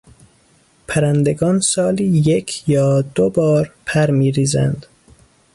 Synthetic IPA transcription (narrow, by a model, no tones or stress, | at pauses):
pʰæɾænd̪eɡɒːnsɒːliːjekʰjɒːd̪obɒːɾpʰæɾmiːɾiːzæ̰nd̪̥